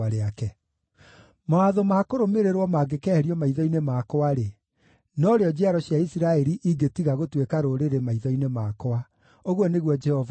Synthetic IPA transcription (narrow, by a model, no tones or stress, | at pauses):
aɾeakɛ | mawaðomakoɾomeɾeɾwɔmaːɡekɛhɛɾiɔmaiðɔinemaːkɔaɾe | nɔɾeɔd͡ʑɛaɾɔɕjaisiɾaɛɾiʔiɡetiɣaɣotwekaɾoɾeɾemaiðɔinemaːkɔa | oɣwɔneɣwɔd͡ʒɛhɔv